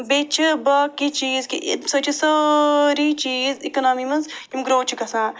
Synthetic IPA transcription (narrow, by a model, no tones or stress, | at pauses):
bet͡ʃʰɨbaːkit͡ʃiːzkiʔsɐt͡ʃʰisɐɾiːt͡ʃiːzikɐnaːmimɐnzimɡɾoːt͡ʃʰikɐsãː